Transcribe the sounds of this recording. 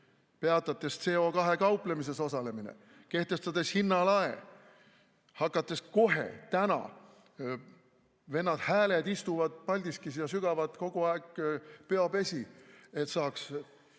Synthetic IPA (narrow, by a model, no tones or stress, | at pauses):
pe̞ɑt̪ːˑɑt̪ːˑe̞st̪se̞ːo̞kɑɦe̞kɑwple̞mis̬e̞so̞sɑle̞minḛ | ke̞ht̪e̞st̪ɑd̪̥e̞shinːɑlɑe | hɑkːˑɑt̪ːˑe̞sko̞ɦe̞̰t̪ænɑ̰ | ve̞nːɑd̪̥hæːle̞d̪ist̪uvɑd̪̥̚pɑlʲd̪̥iskisiɑsyɡ̥ɑvɑd̪ko̞ɡ̥oɑeɡ̥peɑpe̞sʲie̞t̪sɑːks